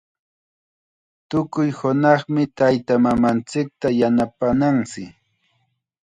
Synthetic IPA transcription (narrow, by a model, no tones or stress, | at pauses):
t̪ʊkʊjhʊnɑχmɪt̪ajt̪amamant͡sɪk̚t̪ajanapanaŋsɪ